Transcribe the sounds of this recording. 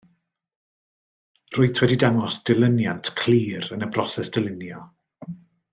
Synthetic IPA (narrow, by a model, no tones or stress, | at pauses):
rʊɨtʰwɛdidaŋɔsd̥ɪlˠɪnjantʰkʰl̥ˠiːɾənəbrɔsɛsd̥ɪlˠɪnjɔ